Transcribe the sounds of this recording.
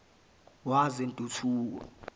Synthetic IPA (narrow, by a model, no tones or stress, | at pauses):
wazentʼutʰuːk̬ɔ̰